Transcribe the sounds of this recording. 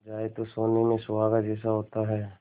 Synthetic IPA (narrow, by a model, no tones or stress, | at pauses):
d͡ʒaːet̪osoːnimẽsʊwaːɡad͡ʒɛːsaɦoːt̪aɦɛː